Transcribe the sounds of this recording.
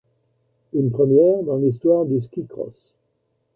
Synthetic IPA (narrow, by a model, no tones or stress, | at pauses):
ynpχəmjɛʁd̪ɑ̃lis̬t̪waʁd̪əskʲikχɔ̰s